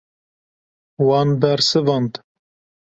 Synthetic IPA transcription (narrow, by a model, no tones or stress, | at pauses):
wɑnb̪æɾsɨvɑnd̪